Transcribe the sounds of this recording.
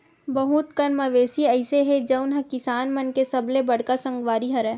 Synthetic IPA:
bɐɦut̪kənmɐʋeːsiɐɪseɦed͡ʒəʊnɦɐkɪsaːnmɐnkesɐblebɐɽ̤kasɐ̃ŋɡʋaːɾiɦɐɾɛː

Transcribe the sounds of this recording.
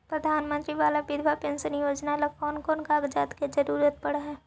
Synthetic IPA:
pɾəd̪ʱaːnmə̃nt̪ɾiʋaːlabɪd̪ʱʋʱapənsənjoːd͡ʒnaelɐkɔːnkɔːnkaːɡd͡ʒaːt̪ked͡ʒɐɾuːɾət̪̚pɐɽ̤aɦɛː

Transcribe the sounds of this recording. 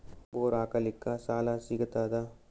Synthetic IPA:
boːɾaːkalɪkːaːsaːlaːsikət̪aːd̪aː

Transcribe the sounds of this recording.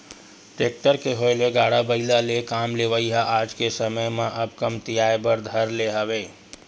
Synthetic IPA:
ʈeːk̚ʈəɾkeɦoeleɡaːɽabəɪlalekaːmleʋəiɦaʔaːd͡ʒkesəməjmẽʔəbkəmt̪ijaːebəɾd̪ʱəɾleɦəweː

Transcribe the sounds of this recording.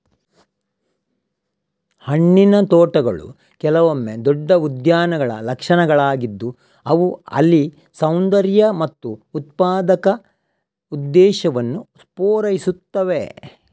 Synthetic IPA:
hɐɳːinɐt̪oːʈɐɡɐ̰ɭṵ | kɛlɐʋomːed̪ɔɖːɐud̪jaːnɐɡɐɭɐ̰lɐkʂɐnɐɡɐɭaːɡid̪ːu | ɐʋuɐ̰lːi | sɐwnd̪ɐɾjɐmɐt̪ːuːt̪̚paːd̪ɐkɐ | ud̪ːɛːʃɐʋɐnːuspoːɾɐjisut̪ːɐʋe̞

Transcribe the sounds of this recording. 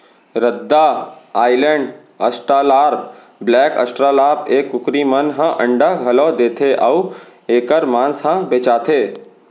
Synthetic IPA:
ɾəd̪ːaaːɪləɳɖ | ə̰sʈɾaːlaːɾ | blɛːkə̰sʈɾaːlaːɾbeːkːʊkɾimənɦə̃ʔə̃ɳɖəɡʱɐloːd̪eːt̪ʰeʔəueːkəɾmãːnsɦə̃beːt͡ʃaːt̪ʰeː

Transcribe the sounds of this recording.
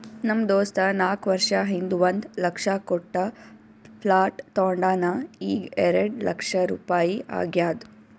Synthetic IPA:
nɐmd̪oːst̪ɐnaːkʋɐɾʂɐɦind̪uʋɐnd̪lɐkʂakɔʈːɐ | pʰlaːʈt̪ːoːɳɖaːnɐiːɡɛɾɐɖlɐ̰kʂɐɾṵːpaːjiʔa̰ːɡjaːd̪u

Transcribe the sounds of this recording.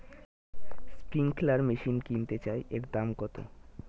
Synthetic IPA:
spɾiŋklaɾmiʃinkint̪et͡ɕaeʔekd̪amɡɔt̪o̰

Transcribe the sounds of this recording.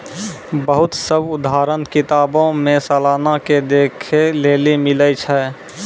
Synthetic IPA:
bəɦʊt̪səbʊd̪aːɾənkɪt̪aːbõmẽsəːlaːnaked̪eːkʰeleːlimɪlət͡ʃʰɛ

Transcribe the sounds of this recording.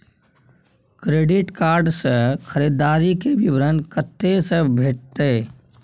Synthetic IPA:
kɾeːɖɪʈkaːɾɖsə̃kʰəɾid̪aːɾikeʋɪʋɾənkət̪ːesəbʱeːʈ̚t̪eː

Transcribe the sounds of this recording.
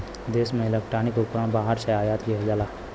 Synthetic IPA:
d̪eːsmẽelek̚ʈɾaːnɪkʊpɾãbaːɦəɾʃɐaːjaːt̪ɡiɦɐd͡ʒaːlaː

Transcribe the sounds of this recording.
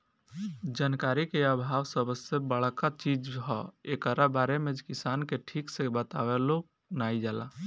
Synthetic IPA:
d͡ʒaːnkaɾikeəbʱawsəbəsebəɽ̤kat͡ʃid͡ʒɦɔ̰ekəɾabaɾemed͡ʒkisankeʈʰiksebət̪awɛlok̚ | naid͡ʒala̰

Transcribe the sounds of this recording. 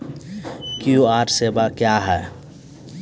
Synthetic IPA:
kjuaːɾsebakjaɦɛː

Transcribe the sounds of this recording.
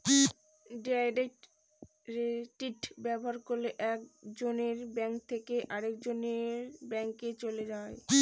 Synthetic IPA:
ɖiajɖeʈ | ɾeʈiʈbɛboɦaɾkoɾlːeʔɛkd͡ʑoneɾbɛŋk̚t̪ʰekeʔaɾekd͡ʑoneɾbɛŋket͡ɕoled͡ʑae

